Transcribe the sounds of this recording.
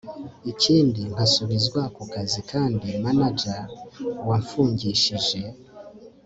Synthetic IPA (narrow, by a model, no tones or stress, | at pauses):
iciːndiŋasuβizɡwakukazikʰaːndimanad͡ʒawaɱfuːɲɟiʃiʒe̞